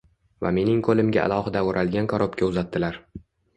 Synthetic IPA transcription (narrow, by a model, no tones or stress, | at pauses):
va̰me̞nɪŋkʰolɪmɡʲa̰ʔa̰lˠɒhɪd̪aoɾʔalɡʲankʰɒɾʔopkʲʰaʊzat̪ːɪlaɾ